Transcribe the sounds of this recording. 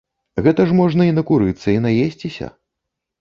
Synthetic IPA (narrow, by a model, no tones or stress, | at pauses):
ɣɛt̪ɐʂmɔʐnɐinɐkuɾɨt̪sːɐinajesʲt͡sʲisʲɐ̰